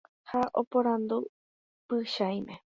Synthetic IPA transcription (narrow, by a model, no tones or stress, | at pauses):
haʔo̰põɾ̃and̪u | pɨʃaj̃mẽ